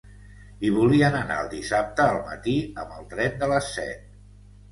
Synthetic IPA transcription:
iβ̞uliənəna̰əlˠd̪isap̚t̪əːlˠmə̰t̪iəmbəlˠt̪ɾɛnd̪ələsːɛ̰t̪̚

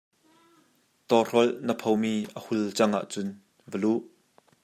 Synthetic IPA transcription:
t̪ɔr̥ɔlnəpʰowmiːʔəhult͡sɐŋʔa̰ːʔt͡sʊn | vəluʔ

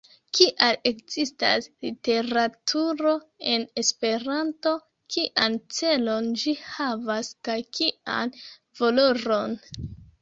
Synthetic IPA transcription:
kiʔale̞kzista̰slite̞ɾatʰuɾo̞e̞ne̞spe̞ɾanto̞ | kʰiʔant͡se̞lo̞nd͡ʒihavaskajkʰiʔa̰n | volo̞ɾo̞n

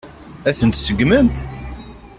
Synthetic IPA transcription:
æθənt̪səɡmənt̪

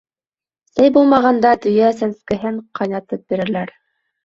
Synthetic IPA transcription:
sæjbulˠmɑʁɑnd̪ɑd̪ɵ̆jæsænskɘ̆ɦɘɴqʰɑjnɑt̪ɤp̚biɾɘ̆læɾ

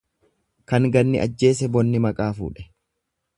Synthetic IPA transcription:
kɐŋɡɐnːɪʔɐ̰d͡ʒːe̞ːs̬ɛbɔnːɪmɐkʼaːfṵːᶑɛ̥

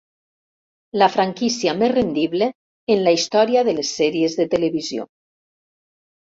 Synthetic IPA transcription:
lafɾaŋkisiamezrend̪iβle | enlaist̪ɔɾiaðəlesːɛɾiezðet̪eleβizjo̰

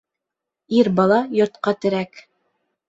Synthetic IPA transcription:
iɾbɑlˠɑjŏɾt̪qɑt̪ɘ̆ɾæk

